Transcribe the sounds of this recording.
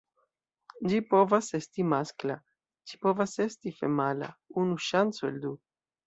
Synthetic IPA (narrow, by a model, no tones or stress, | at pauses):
d͡ʒipo̞vase̞stimaskla | d͡ʒipo̞vase̞stifḛmala̰unuʃant͡soḛld̪u